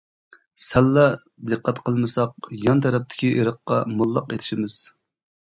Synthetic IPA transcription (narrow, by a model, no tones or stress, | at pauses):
sɛlːɛ | d̪ɨqːɑt̪qʰəlˠmɨsɑq̚jɑnt̪ʰɛɾɛp̚t̪ʰɪ̥kʲiʔeɾəqːɑmulˠːɑqet̪ʰɪ̥ʃimɪz̥